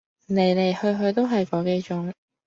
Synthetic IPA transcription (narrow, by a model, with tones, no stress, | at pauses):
ne˨˩jle˨˩jhɵ˧ɥɦɵ˧ɥt̪̬o˥wɦɐ˨jkɔː˨˧˥ke˥jt͡ʃʊ˧˥ŋ